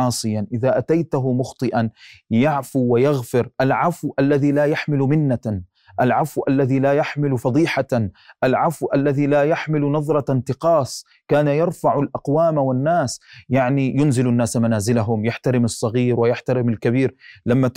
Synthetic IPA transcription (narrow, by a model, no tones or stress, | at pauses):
ɑːsˤɨjanʔɪðaʔat̪ajt̪aɦʊmʊxt̪ˤɨʔanjaʕfuwajɑɣfɪɾʔalʕafwʔalːaðilaːjaħmɪlmɪnːa | ʔalʕafwʔalːaðilaːjaħmɪlfɑd̪ˤiːħaʔalʕafwʔalːaðiːlaːjaħmɪlʊnɑðˤɾˤɑnt̪ɪqɑːs | kaːnajɑɾˤfaʕalʔɑqwaːmawanːaːsjaʕnijʊnzɪlanːaːsamanaːzɪlaɦʊmjaħt̪aɾɪmɨsˤːɑɣiːɾwɪjaħt̪aɾɪmalkabiːɾlamːa